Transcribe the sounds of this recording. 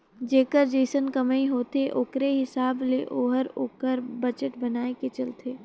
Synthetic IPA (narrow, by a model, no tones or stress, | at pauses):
d͡ʒeːkəɾd͡ʒeːsənkɐməiɦoːt̪eʔʊkɾeɦɪsaːbleʔoːɦəɾoːkəɾbɐd͡ʒəʈbɐnaːeket͡ʃɐlt̪ʰeː